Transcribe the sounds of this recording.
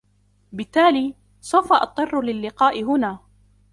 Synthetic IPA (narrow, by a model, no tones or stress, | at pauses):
bɪt̪ːaːliː | sˤawfaʔɑ̰t̪ˤːɨrˤːʊlɪlːɪqɑːʔɪɦʊnaː